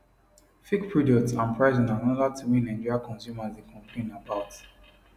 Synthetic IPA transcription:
fikpʰɹɔdɔktsãnpʰɹaɪzĩnãnɔðatʰimĩnãd͡ʒiɔɹiakʰɔ̃nsjumazdekʰɔ̃mplẽnabaʊt

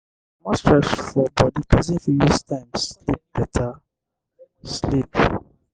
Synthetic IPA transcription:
mɔspʰɹɛsfɔbɔdikʰɔzĩnfiwistʰãɪ̃mslip̚b̥ɛtʰa | slip

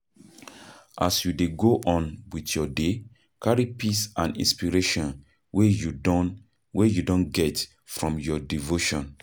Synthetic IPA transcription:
ʔa̰sjudeɡoʔɔ̃nwitjɔde | kaɹipisãnḭ̃nspiɹeʃɔ̃n | wejuɔ | wejudõnɡɛt | fɹɔ̃mjɔdivoʃɔ̃n

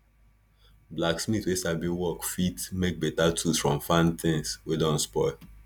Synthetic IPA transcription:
blaksmitwesabiwɔkfitmek̚betatʰusfɹɔ̃mfãnt̪ĩŋswedɔ̃nspɔɪl

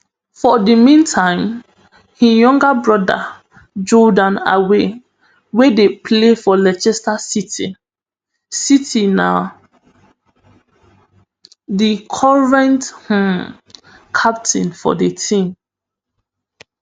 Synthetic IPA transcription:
fɔdimĩntʰãɪ̃m | hijɔ̃ŋɡabɹɔda̰ | d͡ʒɔdãna̰we | wedepʰlefɔlɛt͡ʃɛstasiti | sitʰina | dikʰɔɹɛ̃nthũm | kʰap̚tʰĩnfɔ̰ditʰĩm

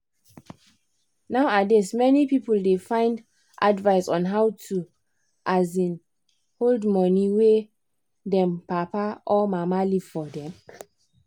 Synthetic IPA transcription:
naʊadesmɛnipipəldefãɪ̃nd | ʔadvaɪsɔ̃nɦaʊtʰu | ʔazĩn | holdmɔniwe | dɛ̃mpapaʔɔmamaliv̥fɔdɛ̃m

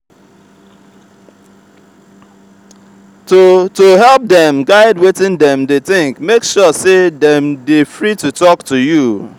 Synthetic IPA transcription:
totoɦɛlˠp̚dɛ̃mɡaɪdwɪtɪ̃ndɛ̃mdetɪ̃ŋkmekʃɔsedɛ̃mdefɹitutɔktuju

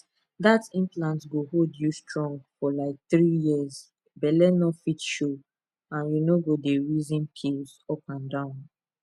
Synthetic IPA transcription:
datĩmplãntɡoholdjustɹɔ̃ŋɡfɔlaɪk̚θɹijiəz | bɛlɛnɔfitʃo | ãnjunoɡodeɹizĩnpʰilzɔpãndãʊ̃n

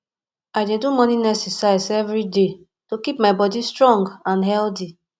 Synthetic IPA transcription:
adedumɔ̃ninɛsɛsaisɛvɾide | tokip̚maɪbɔdistɹɔ̃ŋɡãnɦɛlti

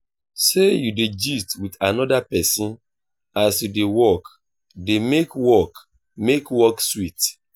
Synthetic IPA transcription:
sejuded͡ʒistwitanɔdapɛsĩn | asjudewɔk | demekwɔk | mekwɔkswit

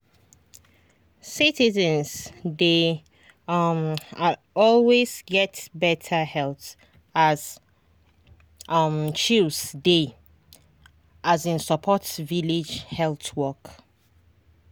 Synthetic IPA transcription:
sitizə̃nzde | ma | ɔlwezɡɛtbɛtʰəhɛlˠt | az | ʌmt͡ʃilsde | azĩnsəpʰɔtviled͡ʒhɛlθwɔk

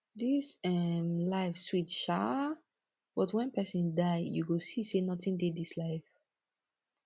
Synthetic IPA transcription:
ðisɛmlaɪfswitʃa | bɔtwʌ̃npɛsə̃ndaɪjṵɡosisenɔtɪ̃ŋdedislaɪv

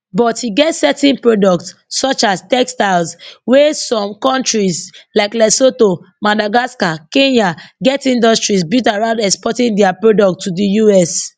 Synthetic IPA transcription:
bɔthiɡɛtsɛtɛ̃npɹodɔk̚tsːɔt͡ʃastɛkstaɪlswesɔ̃mkɔ̃ntɹislaɪklɛsoto | madaɡaskakẽnaɡɛtĩndɔstɹisbitaɹãʊ̃ndɛkspɔtĩŋdɛapɹodɔk̚tʰːudijuɛs

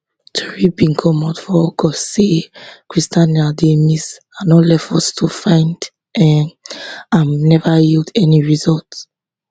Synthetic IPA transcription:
tʰɔɹibĩnkʰɔmatfɔɔkʰɔsekɹistãnademis | anɔlɛfɔstʰufãɪ̃nd | ɛ | ãnnɛvajildɛniɹizɔlt

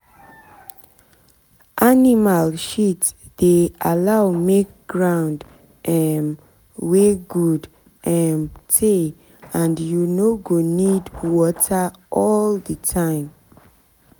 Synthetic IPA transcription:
ʔanimalʃitsdealawmek̚ɡ̥ɹãʊ̃nd | ɛm | weɡud | ʔɛmtʰe | ãndjunoɡonidwɔtʰaʔɔldətʰãɪ̃m

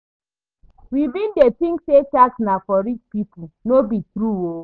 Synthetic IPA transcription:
wibin̩detĩŋkset͡ʃaknafɔɾit͡ʃpipʊnobitɾuo

